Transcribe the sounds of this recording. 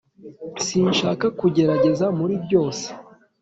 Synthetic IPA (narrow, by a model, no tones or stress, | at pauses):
siːnʃaːkakuɟe̞ɾaɟe̞zamuɾibɟo̞ːse̥